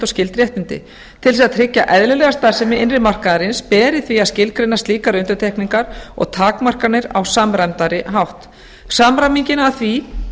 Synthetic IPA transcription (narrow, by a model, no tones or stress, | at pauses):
t̪ɔscɪlt̪ɾjɛht̪mʏnt̪ɪ̰ | t̪ʰɪlsiat̪ʰɾɪcːa̰ʔɛðlʏlɛɣast̪aːðsɛmɪɪnrɪmar̥kaðaɾɪnspɛːɾɪθviaðscɪlkɾenːast̪liːkaɾʏnt̪ʏɾt̪ʰɛjhkniŋkaɾɔ̰ɣt̪ʰaːkmar̥kaɾnɪɾa̰wsamɾamt̪aɾɪɦawht̪ | samɾamiɲcɪnaːθvi